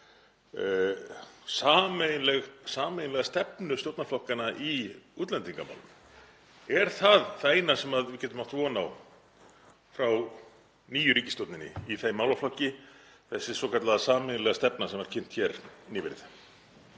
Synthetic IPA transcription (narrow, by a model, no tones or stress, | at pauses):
saːmejlɛɣsaːmejnlɛɣast̪ɛpnʏst̪owt̪naflɔhkanaʔiuːt̪lɛnt̪iŋkama̰wlʏm | ɛɾ̥θaðθeːjnasɛmaðvɪcɛːt̪ʏmaht̪vɔːnaw | fɾaw | niːjʏɾiːcɪst̪owt̪nɪnɪ̰iθejmawlaflɔhcːɪ | θɛsːɪsɔkʰat̪laðasaːmɛjnlɛɣast̪ɛpnasɛmɛɾ̥cʰɪn̥t̪çɛɾnɪːvɪ̰ɾð